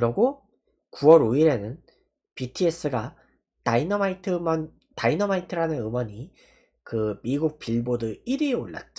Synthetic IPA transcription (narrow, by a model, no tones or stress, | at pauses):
kɯɾʌɡo | kuwʌɾoiɾe̞nɯn | pitʰie̞s͈ɯɡa | tainʌmaitʰɯmʌn | tainʌmaitʰɯɾanɯnɯmwʌɲi | kɯmiɡuk̚piɭbodɯiɾioɭːa̰t̚t͡ɕ͈a